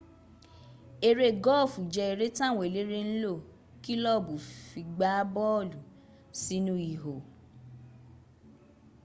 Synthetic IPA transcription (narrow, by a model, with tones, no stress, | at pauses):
e˧ɾe˦˨ɡɔ˦˨fu˨d͡ʒɛ˧e˧ɾe˦tã˦˨w̃e˨le˨˦ɾe˦n̩˦lo˦˨ | ki˦lɔ˦˨bu˨fi˧ɡ͡ba˨˦bɔ˦˨lu˨ | si˦nũ˦i˨ɦo˨